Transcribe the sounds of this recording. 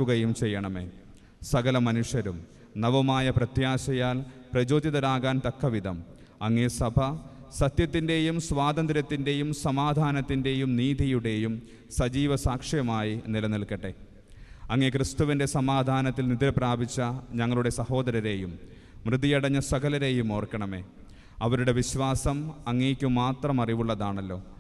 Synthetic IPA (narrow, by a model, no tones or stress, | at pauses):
uɣɐjumt͡ɕe̞jːɐɳɐme̞̰ː | sɐɣɐlɐmɐnuʂjɐɾum | nɐʋɐmaːjɐprɐt̪jaːɕɐjaːlprɐd͡ʑo̞ːd̪jɐðɐɾaːɣaːnt̪ɐkːɐʋid̪ʱɐm | ɐŋːesɐbʱɐsɐt̪jɐt̪ːinde̞jumsʋaːd̪ɐnd̪ɾɐt̪ːinde̞jumsɐmaːd̪ʱaːnɐt̪ːinde̞jumniːd̪ʱijuɽe̞jum | sɐd͡ʑiːʋɐsaːkʂɐjɐmaːjinilɐniɭkːɐʈːe̞ | ɐŋːekrɨst̪uʋinde̞sɐmaːd̪ʱaːnɐt̪̬ːilnid̪ɾɐpraːbit͡ɕːɐɲɐŋːɐɭuɽe̞sɐho̞ːd̪ɐɾɐɾe̞ːjumː | rɨd̪ijɐɽɐɲːɐsɐɡɐlɐɾe̞jumo̞ːrkːɐɳɐme̞̰ː | ɐʋɐɾuɽe̞ʋiɕʋaːsɐmɐŋːeːkʲːumːaːt̪rɐmɐriʋuɭːɐðaːɳɐlːo̞̰ː